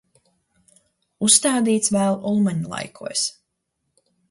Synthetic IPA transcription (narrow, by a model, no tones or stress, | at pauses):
usːt̪aːd̪iːt̪svæːlˠʔulˠmaɲulˠa̰jkʰuɔs